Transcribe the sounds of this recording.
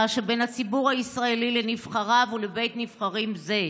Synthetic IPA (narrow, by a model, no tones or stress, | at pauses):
ʃebenat͡sibuʁhaisʁaelilenivχaʁavulebe̞jt̪niv̥χaʁimze